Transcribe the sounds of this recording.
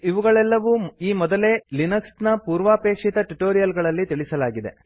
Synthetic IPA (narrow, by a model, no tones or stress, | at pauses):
iʋuɡɐɭɛlːɐʋuiːmɔd̪ɐleːlinɐksnɐpuːɾʋaːpeːkʂit̪ɐʈuʈoːɾijɐlɡɐɭɐlːit̪iɭisɐlaːɡid̪e̞̰